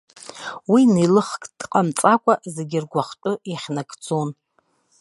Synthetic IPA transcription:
winilɨχkʼdqʼamt͡sʼakʷʼazeɡʲɪrɡʷaχt͡ʃʷʼʊjaχʲnakʰʼt͡sʰʼon

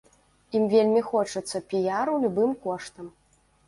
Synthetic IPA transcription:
imvʲelʲmʲixɔt͡ʂɐt̪sːɐpʲijaɾuwlʲubɨmkɔʂt̪ɐm

